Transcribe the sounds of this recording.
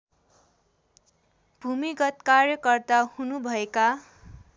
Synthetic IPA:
b̥ʱumiɡʌt̪karjʌkʌrt̪ahunubʱʌeka

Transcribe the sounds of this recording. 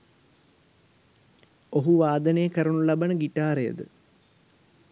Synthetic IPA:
oɦuʋaːd̪ɐnejɐkɐɾɐɳulɐbɐnəɡiʈːaːɾejə̰d̪ɨ̰

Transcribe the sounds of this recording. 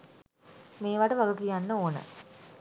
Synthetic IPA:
meːʋaʈəʋaɡəkijanːəoːnə̰

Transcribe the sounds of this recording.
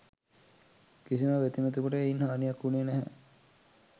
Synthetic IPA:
kisiməʋet̪imet̪ukoʈəeinhaːnijakːuniːnæɦɛ

